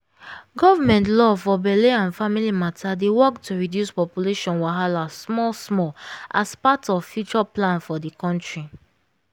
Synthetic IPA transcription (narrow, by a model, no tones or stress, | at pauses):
ɡɔvamɛ̃ntlɔfɔbɛleãnfamilimatʰadewɔktuɹidjuspɔpjuleʃɔ̃nwaɦalasmɔlsmɔlʔaspatɔvfjut͡ʃɔplãnfɔdikɔ̃ntɹi